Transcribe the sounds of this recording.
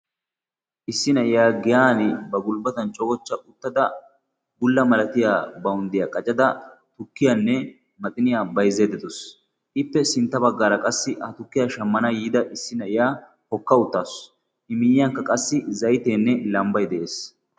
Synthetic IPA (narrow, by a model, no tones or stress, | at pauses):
ʔɪsːɪnɐʔɪjaːɡɪjaːnɪbɐɡʊlbɐt̪ɐnt͡ʃʼɔɡɔt͡ʃːɐʊt̪ːɐd̪ɐ | ɡʊlːɐmɐlɐt̪ɪjaːbɐʊnd̪ɪjaːkʼɐt͡ʃʼɐd̪ɐt̪ʊkːɪjaːnːɛ | mɐt̪ʼɪnɪjaːbɐjzeːd̪ɛd̪ɔs | ʔɪpːɛsɪnt̪ːɐbɐɡːaːɾɐkʼɐsːɪhɐt̪ʊkːɪjaːʃɐmːɐnɐjiːd̪ɐʔɪsːɪnɐʔɪjaː | hɔkːɐʊt̪ːaːs | ʔɪmɪjɪjɐŋkːɐkʼɐsːɪzɐjt̪eːnːɛlɐmbɐjd̪ɛʔeːs